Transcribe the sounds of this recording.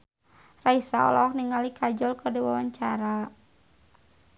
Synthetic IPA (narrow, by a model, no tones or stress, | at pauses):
raisaɔ̰lɔk̚niŋalikʰad͡ʒɔlkɔdɛwawaɲt͡ʃaɾa